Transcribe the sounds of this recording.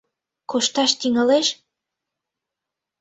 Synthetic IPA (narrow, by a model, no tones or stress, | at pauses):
koʃt̪ɑʃt̪iŋəleʃ